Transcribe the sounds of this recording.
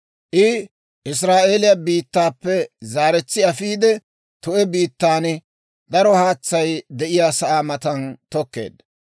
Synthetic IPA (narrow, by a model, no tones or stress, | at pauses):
ʔɪ | ʔɪs̬ɾaːʔelɪjabiːt̪ːaːpːɛzaːɾɛt͡sːɪɐfiːd̪ɛ | t̪ʊɛbiːt̪ːaːn | d̪ɐɾɔhaːt͡sːɐjd̪ɛʔɪjaːsɐʔaːmɐt̪ɐnt̪ɔkːe̞̰ːd̪